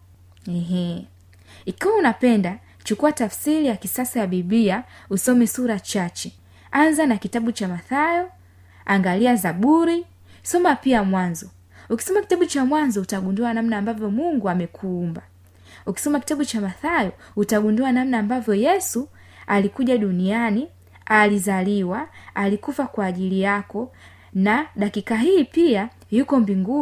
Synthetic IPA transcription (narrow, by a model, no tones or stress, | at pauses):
ɛɦɛ | ikawaunapɛnda | t͡ʃukuwatafsilijakisasajaɓiɓliausɔmɛsuɾat͡ʃat͡ʃɛ | anzanakitaɓut͡ʃamaθajɔ | aŋɡaliazaɓuɾi | sɔmapiamwanzɔ | uki̥sɔmaki̥taɓut͡ʃamwanzɔutaɡunduanam̩naːmbavjɔmuŋɡuamɛkʰuːmba | uki̥sɔmaki̥taɓut͡ʃamaθajɔ | utaɡunduanamnaːmbavjɔjɛsu | alikuʄaɗuniani | alizaliwaalikufakwaːʄilijakɔ | naɗakikaɦiːpia | jukɔmbiŋɡu